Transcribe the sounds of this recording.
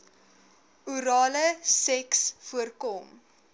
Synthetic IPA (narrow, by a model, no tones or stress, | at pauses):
uɾɑːləsɛksfuərkɔm